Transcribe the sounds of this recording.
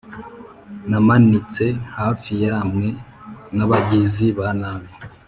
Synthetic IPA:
namanit͡se̞haːfijaːmŋe̞ | naβaɟiziβanaβe

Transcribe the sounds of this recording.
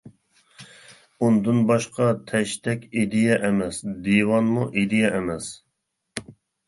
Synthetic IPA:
und̪ɨnbɑʃqʰɑt̪ʰɛʃt̪ʰɛkʲid̪ɪjɛʔɛmɛsd̪iwɑnmuʔid̪ijɛʔɛmɛs

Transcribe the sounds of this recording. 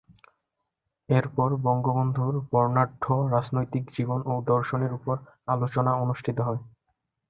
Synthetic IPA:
eɾpɔɾbɔŋɡobond̪ʱuɾbɔɾnaɖʱʰːoɾad͡ʑnojt̪ikd͡ʑibonod̪ɔɾʃoneɾupoɾ | alot͡ɕonaonuʃʈʰit̪oɦɔe

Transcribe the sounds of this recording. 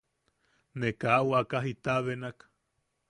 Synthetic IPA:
nekawakaɦit̪aβenak

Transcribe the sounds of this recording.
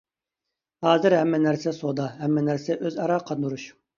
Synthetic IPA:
hɑːzɨɾɦɛmːɛnæɾsɛsod̪ɑɦɛmːɛnæɾsɛʔøzɑɾɑːqʰɑd̪nuɾuʃ

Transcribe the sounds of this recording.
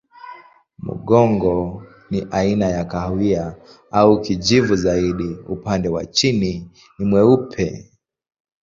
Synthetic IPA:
mṵɠɔŋɡɔ | niʔainajakahwia | aukid͡ʒivuzaiɗiupandɛwa̰t͡ʃini | nimwɛupʰɛ

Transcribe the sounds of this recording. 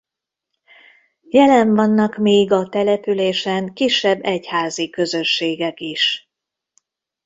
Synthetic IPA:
jɛlɛɱvɒnːɒkmeːɡɒt̪ɛlɛpyleːʃɛŋkiʃːɛbːɛchaːzikø̞zøʃːeːɡɛkiʃ

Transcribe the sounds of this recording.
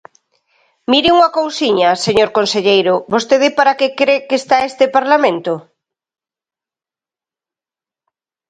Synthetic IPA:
miɾɪuŋɐkowsiɲɐseɲoɾkonseʎejɾʊbost̪eðɪpaɾakekɾekeːst̪aest̪ɪpaɾlamẽnt̪o

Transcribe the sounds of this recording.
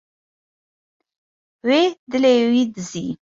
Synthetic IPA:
wed̪əlewid̪əzḭ

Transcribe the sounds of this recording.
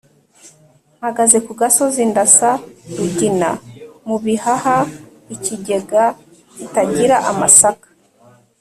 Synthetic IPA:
haɡazekuɡasozindasaɾuɟina̰muβihaha | iciɟe̞ɡa | itaɟiɾaʔamasakḁ

